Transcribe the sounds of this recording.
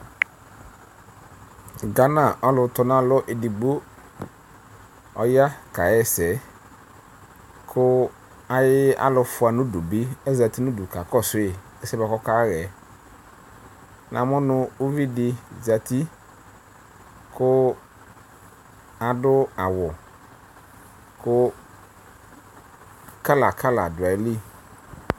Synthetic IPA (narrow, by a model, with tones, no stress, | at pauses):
ɡa˦na˦˨ʔɔ˦lʊ˧tɔ˧nã˦˨lʊ˦ʔe˨di˨ɡ͡bo˦ | ɔ˧ja˦ka˨jɛ˦˨sɛ˨ | kʰʊ˦ | a˦jɪ˦a̰˦lʊ˧fʊ˧˦a˧nu˦du˨bi˦ɛ˦za˧ti˦nu˦du˨ka˨kɔ˦˨sʊ˨˦ɪ˦˨ | ɛ˦sɛ˦bɛ˧kɔ˦ka˦ɣɛ˨˦ | nʔã˨mʊ̃˦nʊ˦o˦vi˦dɪ˨za˨ti˦ | kʊ˦ | a˨dʊ˦a˨wʊ˨ | kʊ˦ | ka˦la˨kʰa˦la˨dʊ˨a˨˦li˦